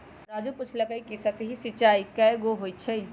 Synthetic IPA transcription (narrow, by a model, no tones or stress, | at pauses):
ɾad͡ʒuput͡ʃʰlɐkəjkisɐt̪ɦisɪt͡ʃaːikɛɡoɦojt͡ʃʰə